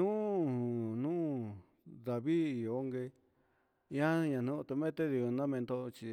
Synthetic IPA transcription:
ũ˦nũ˦˧ | ða˨βi˦i˨o˦ŋɡe˧ | ĩ˦ã˦ɲã˨nũ˦˧t̪u˧mẽ˦t̪e˦ði˧o˧nã˦mẽ˧nd̪o˦˧t͡ʃi˧

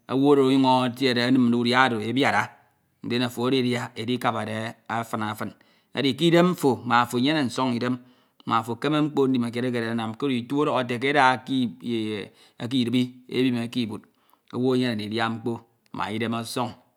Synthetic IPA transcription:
a˨wo˦ɾo˨o˦ju˦ŋo˦tje˦e˨ɾe˨a˦nɨ˦m˨du˦u˦˨da˦˨do˨e˦bja˨ɾa˦ | n̩˦de˦na˨fo˨a˦ɾi˦dja˦e˨di˦ka˨pa˨de˨a˦fɨ˨na˨˦fɨ˨n | a̰˨di˨ki˦de˦mɱ̩˦fo˨ma˨fo˨ɲe˦ne˨n̩˨so˦ŋi˨de˦m˦ | ma˨fo˨ke˦me˦ŋ͡m̩˦k͡po˦n̩˦di˨ma˨k̬e˨ɾe˦ke˨e˨a˦na˨m˨ke˦ɾi˨tu˦o˦ɾo˨a˨te˨k̬e˦da˨i˦˨ | a̰˨k̬i˦˨ɾɨ˨˦bi˦ḛ˦bi˦me˨ki˦˨bu˨t̚ | o˨wo˦e˦ɲe˦ne˨i˨dja˦ŋ͡m̩˦k͡po˦ | mʔa̰˨i˦de˦ma˦so˦ŋ

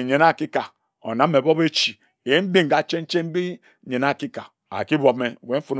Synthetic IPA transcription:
ɲe˨na˦˨ki˦ka˨ | o̰˨na˨˦m˦e˨bo˦be˦t͡ʃi˨ | e˨˦m̩˦bi˦ŋ˨ɡa˨t͡ʃe˦n̩˦t͡ʃe˦m̩˦bi˦ | ɲe˨na˦˨ki˦ka˨ | a̰˨ki˦bo˨me˦we˨˦fo˦n

